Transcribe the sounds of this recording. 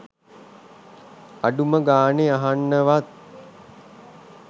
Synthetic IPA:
aɖuməɡaːneaɦanːəʋat̪̚

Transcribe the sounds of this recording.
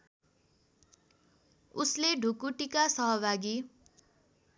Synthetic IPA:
usleɖʱukuʈikasʌɦʌbʱaɡi

